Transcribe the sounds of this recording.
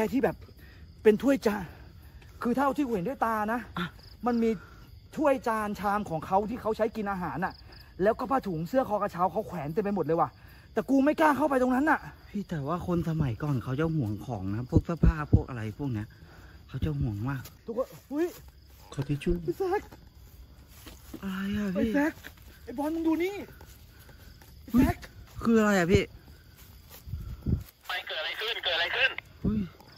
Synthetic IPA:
kɛː˧t̪ʰiː˥˩bɛː˨˩p̚ː | e˧nt̪ʰu˥˩əjt͡ɕaː˧ | kʰɯː˧t̪ʰaː˥˩ɾa˧t̪ʰiː˥kuː˧˩˨e˨˦ndu˥˩˨jt̪aː˧na˦˥a˧˩ | ma˧nmiː˧ | t̪ʰu˥˩əjt͡ɕaː˧nt͡ɕʰaː˧mkʰɔː˩˦ŋkʰa˦˥wt̪ʰiː˥˩kʰa˦˥wt͡ɕʰa˦˥jki˧nʔaː˧ɦaː˩˦nʔa˨˩ | lɛː˦˥wkɔː˥˩pʰaː˧˩t̪ʰuː˩˦ŋsɯ˥˩əkʰɔː˧˩ka˧˩t͡ɕʰaː˦˥wkʰa˦˥wkʰwɛː˩˦nt̪e˧pa˧m̚˨˩lɤː˧waː˧˩ | t̪ɛː˨˩kuː˧ma˥˩jkaː˥˩kʰa˥˩wpa˧jt̪o˧ŋna˦˥nːʔa˨˩ʔʰ | i˧˩t̪ɛː˨˩waː˥˩kʰo˧nsa˧ma˨˩˦jkɔː˨˩nkʰa˦˥wt͡ɕa˨hu˩˦əŋkʰɔː˩˦ŋna˦˥pʰu˥˩k̚sʰa˧˥˩pʰaː˥˩ppʰu˥˩k̚a˧ɾa˧jpʰu˥˩ək̚ni˦˥ɐkʰa˧˥˩wt͡ɕa˧˩whu˨˩˦əŋmaː˥˩k̚t̪uː˧kʰːhu˦˥˨j | kʰa˧˩t̪ʰiː˧˩t͡ɕʰu˧˥˨sɛ˦˥k̚ | ʔa˧ɾa˧jkʰa˧˩pʰaiː˧˨˧sɛ˦˥k̚ʔa˧jbɔ˧˥n˧juː˧niː˥˩ | a˧˩˨u˦˥˦k̚kʰɯː˧ʔa˧ɾa˧jkʰa˧˩pʰiː˧˥˩ | pa˧˩jkɤː˨˩t̪̚a˨ɾa˧jkʰɯ˧˥˩nkɤː˨˩a˧ɾa˧jkʰɯ˥˩n | hu˦˧˥j

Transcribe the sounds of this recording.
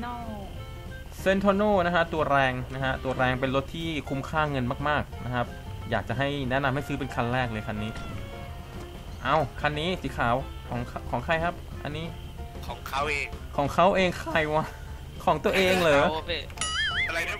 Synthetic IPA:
se˧˥nt̪ʰoː˧noː˥˩na˦˥kʰa˦˥t̪u˧ɐɾɛː˧ŋna˦˥kʰa˦˥t̪u˧ɐɾɛː˧ŋpe˧nlo˦˥t̪ʰːiː˥˩kʰu˧mkʰaː˥˩ŋɤ˧nmaː˥˩k̚maː˥˩k̚na˦˥kʰa˦˥p̚jaː˨˩k̚t͡ɕa˨˩ɦa˥˩jnɛ˦˥ʔna˧mha˥˩jsɯː˦˥pe˧nkʰa˧nɾɛː˥˩k̚lɤː˧jkʰa˧nːiː˦˥ | ʔa˧˩wkʰa˧nːiː˦˥siː˨˩˦kʰaː˩˦w | kʰɔː˩˦ŋkʰa˧kʰɔː˩˦ŋkʰa˧˩jkʰa˦˥p̚ʔa̰˧nːiː˦˥ | kʰɔː˩˦ŋkʰa˦˥wʔeː˧ŋkʰɔː˩˦ŋkʰa˦˥wʔeː˧ŋkʰaː˧˩jwaː˧˥˩ | kʰɔː˩˦ŋt̪u˧ɐʔeː˧ŋlɤː˨˦ | a˧a˧j

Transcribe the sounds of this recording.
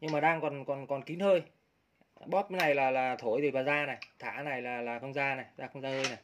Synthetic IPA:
ɲɨ˧ŋmaː˨˩ɗaː˧ŋkɔ˨˩nkɔ˨˩nkɔ˨˩nki˨˦nhəː˧j | ɓɔ˦˥p̚na˨˩jlaː˨˩laː˨˩t̪ʰo˧˩˨jt̪ʰi˨˩vaː˨˩zaː˧na˨˩jt̪ʰa̰ː˧˩na˨˩jlaː˨˩laː˨˩xə˧wŋ͡mzaː˧na˨˩jzaː˧xə˧wŋ͡mzaː˧həː˧jna˨˩j

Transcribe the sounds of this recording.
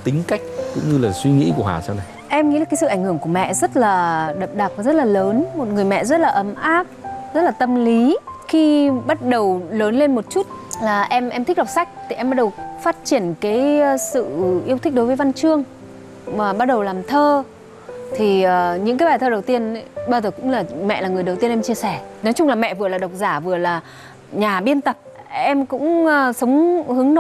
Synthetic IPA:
t̪ï˨˦ŋ̟ka˦˥jk̟̚kʊ̰˧˥ŋ͡mɲɨ˧laː˨˩swi˧ŋḭ˧˥ku˧˩əha̰ː˨˩sa˧wna˨˩jʔɛ˧mŋḭ˧˥laː˨˩kːjsɨ̰˧ʔa˧˩ŋ̟həŋku˧˩əmɛ̰˧˨zə˦˥t̚laː˨˩ɗə˨˩p̚ɗa˨˩k̚a˨˩zə˦˥t̚laː˨˩ləː˨˦nmo˨˩t̚ŋɨ˨˩əjmɛ̰˧˨zə˦˥t̚laː˨˩ʔə˨˦mʔaː˦˥p̚zə˦˥t̚laː˨˩t̪ə˧mli˨˦xi˧ɓa˦˥t̚ɗə˨˩wləː˨˦nle˧nmo˨˩t̚t͡ɕu˦˥t̚laː˨˩ʔɛ˧mʔɛ˧mt̪i˦˥k̚la˨˩k͡p̚sa˦˥jk̟̚t̪ʰi˨˩ɛ˧mɓa˦˥ɗə˨˩wfaː˦˥t̚t͡ɕi˧˩ənkaː˨˦jsɨ̰˧˨ʔi˧ət̪ï˦˥k̚ɗo˨˦jvəː˨˦jva˧nt͡ɕɨ˧əŋ | maː˨˩ɓa˦˥t̚ɗə˨˩wlaː˨˩mt̪ʰəː˧ | t̪ʰi˨˩əː˨˩ɲɨ̰˧˥ŋkaː˨˦jɓaː˨˩jt̪ʰəː˧ɗə˨˩wt̪i˧ən˨˦ɓaː˧zəː˨˩kʊ̰˧˥ŋ͡mlaː˨˩mɛ̰˧˨ʔlaː˨˩ŋɨ˨˩əjə˨˩wt̪i˧ənʔɛ˧mt͡ɕi˧əsɛ˧˩nɔ˨˦jt͡ɕʊ˧ŋ͡mlaː˨˩mɛ̰˧˨vɨ˨˩əlaː˨˩ɗə˨˩wk͡p̚zaː˧˩vɨ˨˩əlaː˨˩ | ɲaː˨˩ɓi˧ənt̪ə˨˩p̚ʔɛ˧mkʊ̰˧˥ŋ͡msə˨˦wŋ͡mhɨ˨˦əŋn˨˦

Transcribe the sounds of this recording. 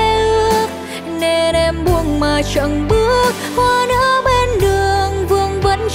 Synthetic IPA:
ʔɨ˧˥ək̚ | ne˧nʔɛ˧mɓu˧əŋmaː˨˩t͡ɕə˧˨˩nɓɨ˦˥ək̚hwaː˧nə̰˧˥ɓe˧nɗɨ˨˩əŋvɨ˧əŋvə̰˧˥n

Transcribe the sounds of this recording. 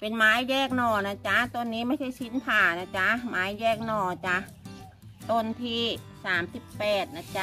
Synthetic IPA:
pe˨nmaː˨˦˥jːɛː˧˩k̚nɔː˧˩na˧˥t͡ɕa˧t̪o˧˥nːiː˦˥ma˧˥˩jda˧˥˩jsi˦˥nt̪ʰaː˨˩na˧˩t͡ɕa˧˥maː˨˦˥jjɛː˧˩k̚nɔː˧˩˧t͡ɕa˧˥ | t̪o˧nt̪ʰiː˧˩saː˩˦msi˨˩pːɛː˨˩t̪̚na˧˩t͡ɕa˧˥

